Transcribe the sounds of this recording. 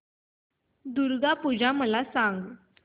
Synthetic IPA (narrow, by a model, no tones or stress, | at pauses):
d̪uɾɡapud͡ʑʱaməlasaŋɡ